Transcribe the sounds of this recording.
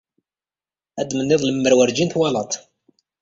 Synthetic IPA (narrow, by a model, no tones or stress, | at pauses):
æd̪mənːɪðˤləmːəɾwəɾd͡ʒinθwɑlɑt̪ˤ